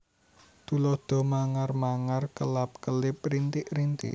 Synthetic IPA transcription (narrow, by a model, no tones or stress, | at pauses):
t̪ulɔhd̪̥ɔ̤maŋarmaŋarkəlap̚kəlɪp̚rint̪ɪʔɾint̪ɪ̰ʔ